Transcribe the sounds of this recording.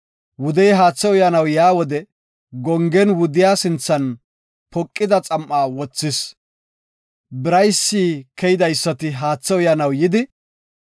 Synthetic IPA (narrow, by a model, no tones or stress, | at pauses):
wʊd̪ɛjɦaːt͡sːɛʊjɐnɐwjaːwɔd̪ɛ | ɡɔŋɡɛnwʊd̪ɪjaːsɪnt͡sːɐn | pɔkʼːɪd̪ɐt͡sʼɐmʔaːwɔt͡sːɪs | bɪɾɐjsːiːkʰɛjɪd̪ɐjsːɐt̪ɪɦaːt͡sːɛʊjɐnɐwjɪd̪ɪ